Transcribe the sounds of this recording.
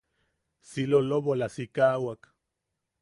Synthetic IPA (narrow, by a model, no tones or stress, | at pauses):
siloloβolasikawak